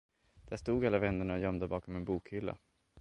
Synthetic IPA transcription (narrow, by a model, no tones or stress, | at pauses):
d̪̥æʂt̪uːɡalːavɛnːəɳaɔjœmd̪əbɑːkɔmɛnbuːkhʏlːa̰